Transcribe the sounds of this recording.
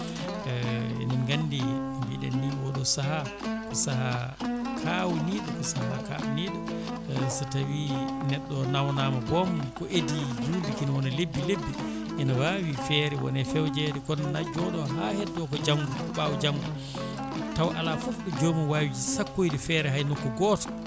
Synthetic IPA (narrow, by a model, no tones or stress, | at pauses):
niɡanːdimbiɗɛ̰nːiwɔɗɔsaɦa | kɔsaha | kʰawuniːɗɔkɔsaha̰ka̰wuniːɗa | satawinɛɗːɔnawnaːmabɔmkɔʔedid͡ʒudɛkinwɔnalebːilebːi | ʔɛnawawifɛːɾɛwɔ̰nɛfɛwd͡ʒɛɾɛkɔnnad͡ʒɔɗɔɦahɛdːɔkɔd͡ʒaŋɡuɔɓawud͡ʒaŋɡu | tawʔa̰lafufɗɔd͡ʒomiwaːwid͡ʒisakːojdɛfɛːɾɛɦajnukːɔɡɔːtɔ̥